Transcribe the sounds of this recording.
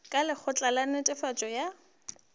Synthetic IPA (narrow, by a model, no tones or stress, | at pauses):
kʼalɪχʊt͡ɬʼalanɪtʼɪfat͡ʃʼɔja